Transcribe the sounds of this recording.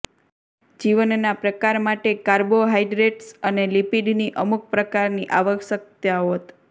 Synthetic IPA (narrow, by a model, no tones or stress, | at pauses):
d͡ʒiʋənnapɾəkaɾmaʈekaɾboɦaiɖɾeʈsənelipiɖniʔəmuk̚pɾəkaɾniʔaʋəkʃək̚t̪jaoɦot̪